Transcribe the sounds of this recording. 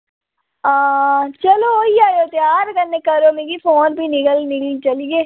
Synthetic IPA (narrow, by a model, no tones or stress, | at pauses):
aːt͡ʃəlooiːaːjoːt̪eaːɾɡənːeːkəɾoːmeːɡiːpʰoːnbiːnɪɡəlnɪɡəlt͡ʃəliɡeː